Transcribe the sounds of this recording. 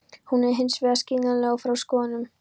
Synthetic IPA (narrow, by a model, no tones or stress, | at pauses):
hunɛɾɦɪnsvɛɣasciːnalɛːɣawfɾawskɔːðanʏm